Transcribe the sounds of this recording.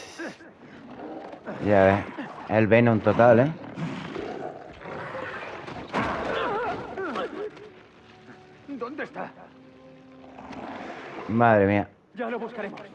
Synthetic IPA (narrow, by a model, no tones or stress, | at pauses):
jaβeelβenũnt̪ot̪ale | d̪ond̪est̪a | maðɾemĩa | d͡ʒaloβuskaɾemos